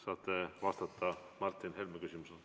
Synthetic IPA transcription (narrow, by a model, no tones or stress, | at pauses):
sɑːt̪ˑːevɑst̪ɑt̪ːɑ | mɑrt̪ːˑinhelmekysʲimusel